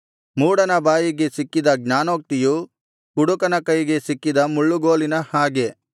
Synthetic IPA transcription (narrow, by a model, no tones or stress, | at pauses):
muːɽɐnɐbaːjiɡe̞sikːid̪ɐɡɲaːnoːk̚t̪iju | kuɽukɐnɐkɐjiɡe̞sikːid̪ɐmuɭːuɡo̞ːlinɐhaːɡe̞